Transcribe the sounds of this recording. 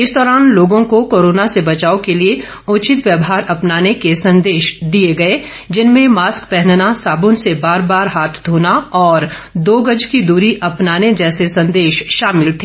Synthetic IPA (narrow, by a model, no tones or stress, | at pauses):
ɪsd̪ɔːɾaːnloːɡõkokoːɾoːnasebɐt͡ʃaːokelie | ʊːt͡ʃɪt̪ʋjɐbɦaːɾɐpnaːnekesɐ̃nd̪eːʃd̪ieɡɐe | d͡ʒɪnmẽmaːskpɛɦnnasaːbʊnsebaːɾbaːɾɦaːt̪ʰd̪ʱoːnaɔːɾ | d̪oːɡəd͡ʒkid̪uːɾiʔɐpnaːned͡ʒɛːsesɐ̃nd̪eːʃʃaːmɪlt̪ʰeː